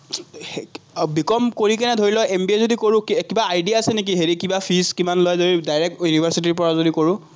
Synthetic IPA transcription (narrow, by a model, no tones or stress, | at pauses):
bikɔmkoɹikɛnɛdʱoɹilɔembiezodikoɹʊ̃kkibaːjdiaasɛnek̬iɦeɹikibapʰiskimanlojzoɹidajɹɛk̚tjunibʱaɹsit̬iɹpɔɹazodikoɹʊ̃